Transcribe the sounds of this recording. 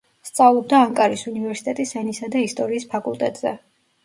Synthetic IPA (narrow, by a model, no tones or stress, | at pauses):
st̪sʼavlˠɔb̚d̪aːŋkʼaɾisunivɛɾsi̥t̪ʼɛt̪ʼisɛnisad̪aist̪ʼɔɾiːspʰakʼulˠt̪ʼɛ̰t̪ʼz̥ɛ̰